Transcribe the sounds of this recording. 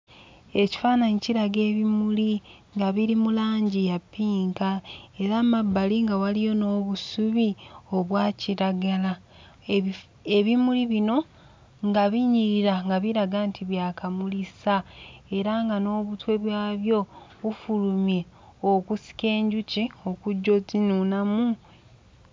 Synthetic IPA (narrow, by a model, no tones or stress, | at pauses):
e̞ci̥faːnaɲiciɾaɡe̞ːβimuliŋɡaβiɾimulaːɲɟijapːiːŋkae̞ɾaːmabːaliŋɡawalijo̞no̞ːβusuβio̞βwaːciɾaɡala | e̞βimuliβino̞ | ŋɡaβiɲiɾiɾaŋɡaβiɾaɡaːntʰiβjaːkamulisae̞ɾaŋɡano̞ːβutwe̞βwaːβjo̞βufulumje̞ | okusi̥ke̞ːɲɟucio̞kuɟːo̞zinunamu